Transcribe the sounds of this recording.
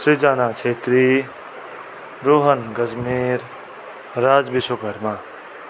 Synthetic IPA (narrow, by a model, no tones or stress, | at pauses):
sɾid͡ʒanat͡ʃʰet̪ɾi | ɾoɦənɡʌd͡zmiɾ | ɾad͡zbisokəɾma